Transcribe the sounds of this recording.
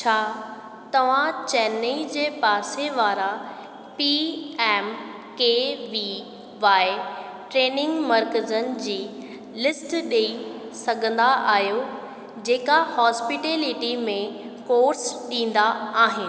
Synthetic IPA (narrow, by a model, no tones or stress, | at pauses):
t͡ɕʰaː | t̪ɐʋ̤ãt͡ɕɛːneid͡ʑeːpaːseʋaːɾa | piɛːm | keːʋi | ʋaːɪ | ʈɾeːnɪ̃ŋɡmɐɾkəzənɪ̆d͡ʑiː | lɪsʈɗei | sɐɡʱə̃nd̪aʔaːɦijo | d͡ʑeːkahɔːspɪʈeːlɪʈimẽ | koːɾsɗĩːn̆d̪aaːɦɪnɪ̆